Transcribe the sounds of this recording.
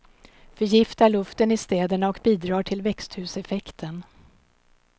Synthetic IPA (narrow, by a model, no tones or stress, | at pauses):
fœɾjɪft̪aɭɵft̪ənɪst̪ɛːd̪əɳaɔkbiːd̪ɾɑːʈʰɪlvɛkst̪hʉ̟ːsɛfɛkt̪ʰən